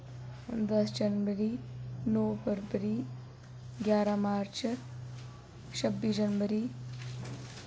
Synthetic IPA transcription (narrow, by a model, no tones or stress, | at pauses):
d̪ɐsd͡ʒɐnʋəɾinoːbəɾbəɾi | ɡjaːɾamaːɾt͡ʃ | t͡ʃʰɐbːid͡ʒɐnʋəɾiː